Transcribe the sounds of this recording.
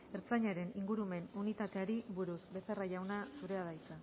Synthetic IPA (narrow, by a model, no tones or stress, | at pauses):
e̞ɾt͡saɲaɾe̞niŋɡuɾume̞nunit̪at̪e̞aɾiβuɾusbe̞saraʝawnasuɾe̞að̞ajt͡sa